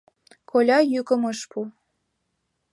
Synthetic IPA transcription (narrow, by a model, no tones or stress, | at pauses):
kʰolʲɑjykə̆mɤʃpu